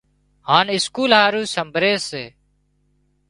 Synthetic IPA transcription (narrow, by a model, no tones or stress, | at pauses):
haːnɪskuːlɦaːɾuːsəmbʱɾeːseː